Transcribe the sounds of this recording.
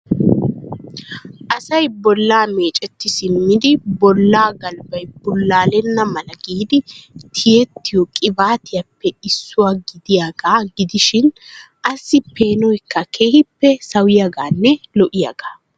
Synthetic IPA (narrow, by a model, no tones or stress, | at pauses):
ʔɐsɐjbɔlːaːmeːt͡ʃʼɛt̪ːɪsɪmːɪd̪ɪbɔlːaːɡɐlbɐjb̥ʊlːaːlɛnːɐmɐlɐɡiːd̪ɪt̪ʰɪjɛt̪ːɪjɔkʼɪbaːt̪ɪjɐpːɛɪsːʊwaːɡɪd̪ɪjaɡaːɡɪd̪ɪʃɪn | ʔɐsːɪpe̞ːnɔjkːɐkʰe̞ːhɪpːɛsɐwɪjaɡaːnːɛlɔʔɪja̰ɡ̥aː